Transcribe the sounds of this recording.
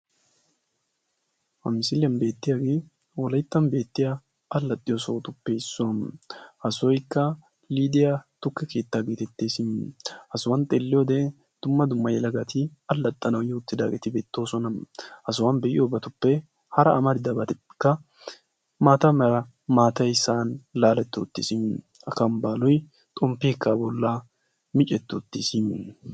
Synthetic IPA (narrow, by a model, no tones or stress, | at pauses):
hɐ̰mɪsɪljɐnbe̞ːt̪ːɪjaɡeː | wɔlɐjt̪ːɐnbe̞ːt̪ːɪja | ɐlːɐt̪ʼːɪjosoːt̪ʊpːɛɪsːʊwɐmʔɐsɔjkːɐ | liːd̪ɪjat̪ʊkːɛke̞ːt̪ːaːɡeːt̪ɛt̪ːeːsɪmʔɐsʊwɐnt̪ʼelːɪjoːd̪ɛ | d̪̥ʊmːɐd̪ʊmːɐjɛlɐɡɐt̪ʰɪɐlːɐt̪ʼːɐnɐwjɪʊt̪ːɪd̪aːɡɛt̪ɪbeːt̪ːo̞ːsɔnɐmʔɐs̬ʊwɐnbɛʔɪ̰jobɐt̪ʊpːɛ | hɐɾɐːmɐd̪ɪd̪ɐbɐt̪ɪkːɐ | maːt̪ɐmɛɾɐ | maːt̪ɐjsaːnlaːlɛt̪ːoːt̪ːɪsɪm | ɐkɐmbaːlɔj | t̪ʼɔmpːiːkʰːabɔlːa | mɪt͡ʃʼːɛt̪ːoːt̪ːɪsɪm